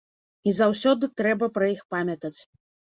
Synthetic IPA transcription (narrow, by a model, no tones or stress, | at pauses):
izawsʲɔd̪ɨt̪ɾɛbɐpɾɐjixpamʲjɐt̪ɐt͡sʲ